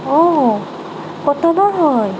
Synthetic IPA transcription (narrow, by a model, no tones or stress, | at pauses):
ɔ | kɔt̪ɔnɔɦɔj